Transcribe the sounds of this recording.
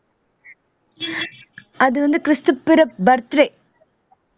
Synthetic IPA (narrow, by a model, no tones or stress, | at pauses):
ɐðuʋɐnd̪ɨkrɨst̪upːiɾɐbɐrt̪ɾe